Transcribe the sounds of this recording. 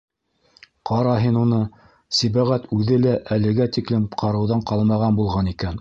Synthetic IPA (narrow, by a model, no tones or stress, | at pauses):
qɑɾɑɦinunɤ | sibæʁæt̪ʉðɘlæʔælɘ̆ɡæt̪iklɘmqʰɑɾɤ̆wðɑɴqɑlˠmɑʁɑnbulˠʁɑnikæn